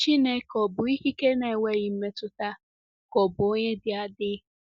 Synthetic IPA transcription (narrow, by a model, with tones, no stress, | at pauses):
t͡ʃi˦ne˦kɔ˨bʊ˨i˦ɦi˦ke˦ne˨wʷe˦˨ɣɪ˨m̩˦me˦tʊ˦ta˦ | kɔ˨bʊ˨o˦ɲe˦dɪ˨a˦dɪ˦